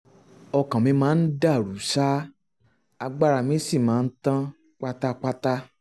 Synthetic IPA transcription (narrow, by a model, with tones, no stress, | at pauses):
ɔ˧kã˨mĩ˧˦mãː˨˦n̩˦da˦˨ɾu˨˦sa˦ | a˧ɡ͡ba˦ɾa˨mĩ˨˦si˦˨mãː˨˦˧n̩˦tã˦ | k͡pa˦ta˦k͡pa˦ta˦